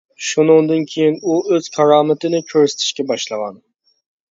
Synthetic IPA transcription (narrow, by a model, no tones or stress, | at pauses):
ʃunɨŋd̪ɨnkʲʰejinuøz̥kʰɑɾɑːmɪt̪ʰɪnɪkʲʰøɾsɪ̥t̪ʰɪ̥ʃkʲɛbɑʃlˠɨʁɑn